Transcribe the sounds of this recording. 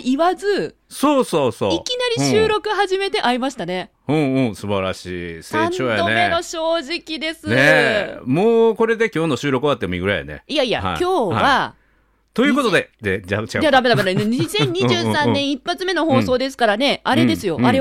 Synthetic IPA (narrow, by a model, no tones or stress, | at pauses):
iβazɨ | soːsoːso̰ːikʲinaɾʲiɕɨːɾo̞kɯ̟ɦaʑime̞t̪e̞ʔaimaɕi̥t̪ane | ɯ̃ɯ̃ːsɨbaɾa̰ɕiːseaːt͡ɕoːjaoneenoɕo̞ːʑikʲid̪e̞sɨnemoːko̞ɾe̞d̪e̞kʲo̞ːno̞ɕɨːɾo̞kɯβat̪ːemoiɡɯ̟ɾa̰ja̰nḛijaia̰a̰kjo̞ːβa | t̪o̞jɯ̟ko̞t̪od̪ed̪ed͡ʑat͡ɕi̥ad͡ʑad̪ame̞d̪amed̪amneɲisẽ̞ɲ̟ːiʑɨːsãnːẽɰ̃ipːat͡sɨme̞no̞ho̞ːso̞ːd̪e̞sɨ̥kaɾane̞aɾe̞d̪e̞sɨjo̞ʔaɾe̞